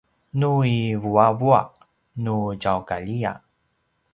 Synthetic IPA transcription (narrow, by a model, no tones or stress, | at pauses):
nuivuavua̰ʔ | nuɟawkaʎija̰